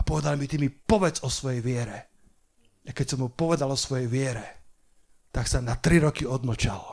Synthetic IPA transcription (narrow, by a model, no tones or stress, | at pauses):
apɔʋɛd̪almit̪imipɔʋɛd͡zɔsʋɔjɛjʋɪɛɾɛ | akɛcsɔmɦupɔʋɛd̪alɔsʋɔjɛjʋɪɛɾɛ | t̪aksanat̪ɾiɾɔkiɔd̪nɔt͡ʃal